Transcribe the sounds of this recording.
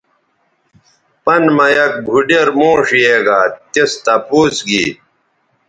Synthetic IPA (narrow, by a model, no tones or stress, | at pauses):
pɐnmɐjɐk̚bʱuɖeɾmoːʂijeːɡaːt̪est̪ɐpuːsɡḭː